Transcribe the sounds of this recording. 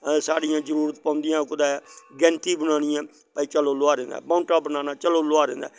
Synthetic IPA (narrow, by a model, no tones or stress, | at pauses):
saːɽijãːzəɾuːɾət̪pãːʊ̃nd̪ɪjãːkʊd̪aːɛɡɛ̃ːnt̪iːbənaːñĩãː | paːiːt͡ʃəloːloaːɾẽːnd̪a̰ːbaʊnʈaːbənaːnaːt͡ʃəloːloaːɾḛ̃ːnd̪a̰ː